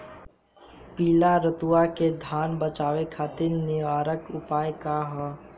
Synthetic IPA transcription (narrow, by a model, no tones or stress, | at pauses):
piːlaɾət̪uaked̪ʱaːnbət͡ʃaːʋekʰaːt̪ɪɾnɪʋaːɾəkʊpaːjkaɦɔː